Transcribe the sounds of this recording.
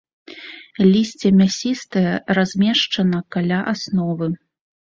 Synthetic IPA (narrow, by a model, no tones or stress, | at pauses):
lʲisʲt͡sʲɛmʲasʲist̪ɨjɛrazʲmʲeɛʂt͡ʂɐnɐkalʲaʔasnɔvɨ